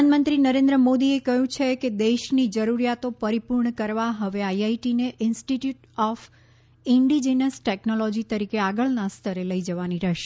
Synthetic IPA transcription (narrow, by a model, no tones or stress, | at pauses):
nmənt̪ɾinəɾẽnd̪ɾəmod̪iekəɦjũt͡ʃʰeked̪eʃnid͡ʒəɾuɾjat̪opəɾipuɾɳəkəɾʋaɦəʋeajaiʈineʔɪnsʈiʈjuʈ | ɔf | ɪɳɖid͡ʒenəsʈɛknolɔd͡ʒit̪əɾikeaɡəɭnast̪ʰəɾeləid͡ʒəʋaniɾəʃ